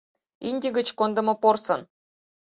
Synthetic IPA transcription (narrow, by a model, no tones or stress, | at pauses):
inʲdʲɘɡʲɘ̆t͡ɕkond̪ɤ̆mɤ̆porsɤ̆n